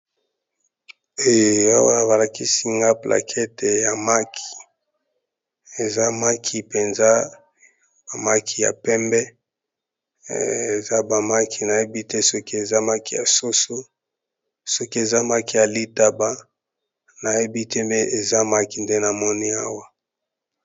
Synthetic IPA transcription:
e˦˨a̰˦wa˦˨ba˨la˨ki˦si˦ŋɡa˦pla̰˨kʰɛ˦te˨ja˨ma˦kʰi̥˨ | e˨za˦ma˦kʰi˦pe˨nza˦ | ba˨ma˦kʰi˦ja̰˨pɛ˦mbɛ˦ | e˨za˦ba˨ma˦kʰi˦na˨je˦bi˦tɛ˦sɔ˦ki˦e˨za˦ma˦ki˦˨ja̰˨so˦so˦ | sɔ˦ki˦e˨za˦ma˦ki˦˨ja˨li˦ta˦ba˦ | na˨je˦bi˦tʰɛ˦mɛ˦ʔe˨za˦ma˦ki˨nde˦na˨mɔ˦ni˦a̰˦wa˦

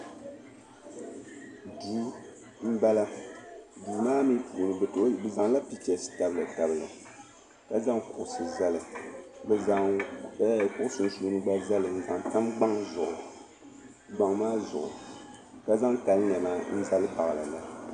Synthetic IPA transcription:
du˨˦ | m̩˦ba˦la˦ | du˨maː˦mi˦pʰu˨ʔnɨ˨bɨ˨to˨˦˨bɨ˨za˨ŋla˦pi˦t͡ʃɛ˨sɨ̥˦ta˦bɨ˦lɨ˨ta˨bɨ˨lɨ̰˨ | ka˦za˦ŋkʊ˨ʔʊ˨sɨ˨za˦lɨ˨bɨ˨za˨˦˨ | kʊ˦ʊ˦sɨ˨n̩˦su˦nɨ˦ɡ͡ba˦za˦lɨ˨n̩˦za˨ŋta˦mɡ͡ba˦ŋzʊ˨ʔʊ˨ | ɡ͡ba˨ŋmaː˦zʊ̰˨ʔʊ̰˨ | ka˦za˦ŋka˨lɲ˨ɛ˨maː˦n̩˦za˦lɨ˦pa˨ɣla̰˨la˨

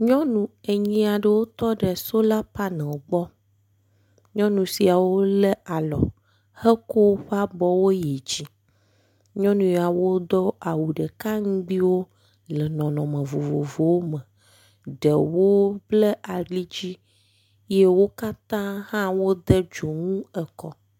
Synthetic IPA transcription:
ɲɔ̃˦nũ˨e˨ɲĩ˦a˨ɖə˨wo˦t̪ɔ˦ɖə˨so˦la˦pa˦nɛ̃˨wɡ͡bɔ˦ | ɲɔ̃˦nũ˨si˨a˨wo˦le˦a˨lɔ̰˨ | hɛ˦ko˦wɸa˦bɔ˦wo˦je˨d͡ʑi˦ | ɲɔ̃˦nũ˨ja˨wo˦d̪ɔ˦ʔa˨wu˨ɖə˨ka˦ŋũ˦ɡ͡bi˦wo˦ | lɛ˨nɔ̃˨nɔ̃˨mə̃˨vo˨vo˨vo˨wo˦mə̃˨ | ɖə˨wo˦blə˦ʔa˨ɖi˦d͡ʑi˦ | je˦wo˦ka˦t̪ã˦hã˦wo˦d̪ə˦d͡ʒo˨ŋũ˦ə˨kɔ˦

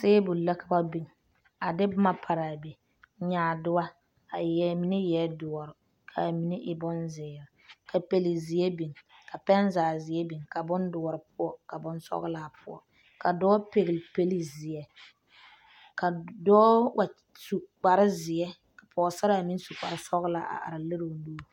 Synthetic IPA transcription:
seː˦bʊ˨lla˦ka˨ba˦bi˨ŋ | a˨dɪ˦ma˦pʰa˨ɾa˨be˨˦ | ɲaː˨dʊ˦wa˦ | a˨jɛ˨mi˨nɪ˦jɛ˨˦dʊ˨ɔ˨ɾʊ˨ | kʰa˨mi˨nɪ˦ʔɪ˨bʊ˦nzɪː˨ɾɪ˨kʰa˨pe˨li˨zɪ˨ɛ˦bi˨ŋka˨pɛ˦nzaː˨zɪ˨ɛ˦bi˨ŋka˨bʊ˦ndʊ˨ɔ˨ɾɪ˨pʊ˦ɔ˦ka˨bʊ˦nsɔ̰˦ɣla˨pʰʊ̰˦ɔ̰˦˨ | ka˨dɔː˦pe˨ɣɪ˨lpe˦li˨zɪ˨ɛ˦ | ka˨dɔː˦wa˨ | su˨k͡pa˨ɾɪ˦zɪ˨ɛ˦ | ka˨pʰɔː˨sa˦ɾa˦˨a˨mi˦n˦su˨k͡pa̰˨ɾɪ˦sɔ˦ɣla˨ʔa̰˨ʔa̰˨ɾa˨le˦ɾo˨lu˦˨

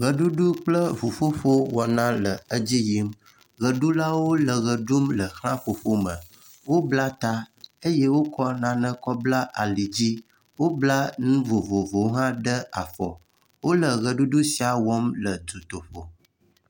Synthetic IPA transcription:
ɣə˨ɖu˦ɖu˦k͡plə˦vo˨fo˦ɸo˦wɔ˨nã˦lə˨ə˦d͡ʑi˦ji˦m | ɣə˨ɖu˦la˦wo˦lə˨ɣə˨ɖu˦mlə˨xlã˦ɸo˨fo˦mə̃˨ | wo˦bla˦t̪a˦e˦je˦wo˦kɔ˦nã˦nə̃˦kɔ˦bla˦ʔa˨li˨d͡ʑi˦ | wo˦bla˦nũ˦vo˨vo˨vo˨˦ɦã˦ɖə˦a˨fɔ̰˨ | wo˦lə˨ɣə˨ɖu˦ɖu˦si˨a˨wɔ˦mlə˨do˨t̪o˨ɸo˨

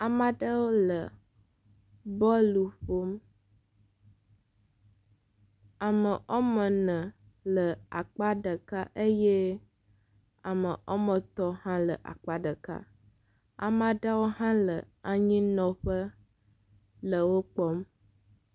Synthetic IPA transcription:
a˨mã˦ɖə˦wo˦lə˨ | bɔ˦lu˨ɸo˦m | a˨mə˨ʔɔ˦mə̃˨nə̃˨ | lə˨a˨k͡pa˦ɖə˨ka˦ʔe˦jɛ˦ | a˨mə̃˨ʔɔ̰˦mə̃˨t̪ɔ˦hã˦lə̰˨ʔa̰˨k͡pa˦ɖə˨ka̰˦ | a̰˨mã˦ɖa˦wo˦ɦã˦lə˨ | a˨ɲĩ˦nɔ̃˦ɸə˦ | lə˨wo˦k͡pɔ˦m

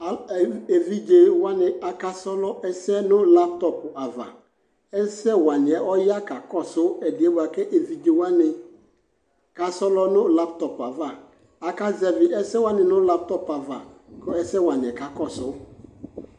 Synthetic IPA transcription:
a˨e˨vi˦d͡ʒe˨wa˦nɪ̃˨a˨ka˦sɔ˦lɔ˦ʔɛ˦sɛ˦nʊ̃˦la˦p̚tɔ˨pʊ˨ʔa˨va̰˨ | ɛ˦sɛ˦wa˨nɪ˨ɛ˨ʔɔ˦ja˦ka˨kɔ˦sʊ˨˦ɛ˨dɪ˨ɛ˦bu˨a˨kɛ˦ʔe˨vi˨d͡ʒe˨wa˦nɪ̃˨ | ka˨sɔ˦lɔ˦nʊ̃˦la˦ptɔ˨pʊ˨a˨va˨ | a˨ka˦zɛ˨vɪ˨ɛ˦sɛ˦wa˦nɪ̃˨nʊ̃˦la˦p̚tɔ˦pa˨va̰˨kɔ˦ɛ˦sɛ˦wa˨nɪ̃˨ɛ˨ka˨kɔ˦sʊ˨˦

